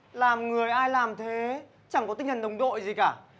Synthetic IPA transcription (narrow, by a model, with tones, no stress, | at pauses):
laː˨˩mŋɨ˨˩əjʔaː˧jlaː˨˩mt̪ʰe˨˦ | t͡ɕa˧˩ŋkɔ˨˦t̪ï˧ŋ̟t̪ʰə˨˩nɗə˨˩wŋ͡mɗo̰˧˨jzi˨˩kaː˧˩